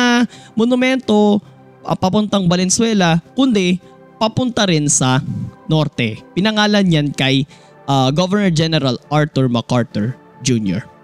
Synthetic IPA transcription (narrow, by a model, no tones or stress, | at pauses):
monʊmɛnt̪o | ʔɐ̰pɐpʊnt̪ɐŋbɐlɛnsʊwɛlɐkʊnd̪ɛ | pɐpʊnt̪ɐɾɪnsɐno̞ɾt̪ɛpɪnɐŋaːlɐnɲankɐj | ʔaɡovɛɹnɛɹd͡ʒɛnɛɾɐlʔaɹt̪ʊɹmɐkaɹt̪ʊɹ | d͡ʒunjɔ̰ɹ